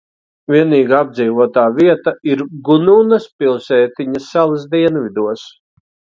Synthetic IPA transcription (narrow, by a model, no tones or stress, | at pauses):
viɛniːɡaab̚d̪ziːvuɔt̪aːviɛt̪aiɾɡununɐspilˠsɛːt̪iɲɐsalɐsd̪iɛnvid̪uɔs